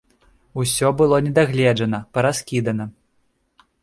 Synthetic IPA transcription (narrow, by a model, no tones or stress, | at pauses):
usʲɔbɨlˠɔnʲɛd̪aɣlʲɛʐɐnɐpɐɾaskʲid̪ɐnɐ